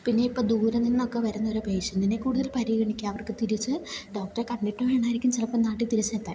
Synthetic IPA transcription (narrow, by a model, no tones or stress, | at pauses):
pinːe̞ipːoːd̪uːɾɐnːinːo̞kːeʋɐɾunːɐoɾupeːɕɐnd̪inːekuːɽuðɐlpɐɾiɡɐɳikʲːaɐʋɐrkɨt̪iɾit͡ɕːɨɖo̞ːk̚ʈɐrekɐɳɖiʈːɐmʋe̞ːɳaːjiɾikʲːumt͡ɕilɐpːonaːʈːit̪iɾit͡ɕːet̪ːaː